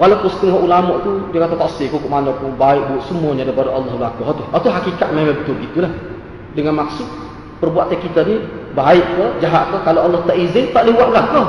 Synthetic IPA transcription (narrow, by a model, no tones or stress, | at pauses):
kalapusə̥t̪iŋɦɔʔulamɔʔt̪udiəkat̪at̪aʔsɪkukuʔmanakubaɪʔ̚buɔʔsəmuəɲadapadaʔɑlːɑhbəlakɔɦɔt̪ʊhat̪uɦakikat̪̚memabət̪ʊl̚ɡit̪ulah | dəŋanmaksʊt̪̚ | pərbuat̪̚akit̪anibaɪʔkəd͡ʒaɦaʔ̪̚kəkaloalːɔht̪aʔizɪŋt̪aʔliuaʔkank̪ɔ